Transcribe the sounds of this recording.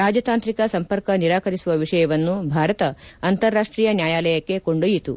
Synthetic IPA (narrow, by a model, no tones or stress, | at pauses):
ɾaːd͡ʒɐt̪aːnt̪ɾikɐsɐmpɐɾkɐniɾaːkɐɾisuʋɐʋiʂɐjɐʋɐnːubʱaːɾɐt̪ɐːnt̪ɐɾːaːʂʈɾiːjɐnjaːjaːlɐjɐkːe̞koɳɖujit̪ṵ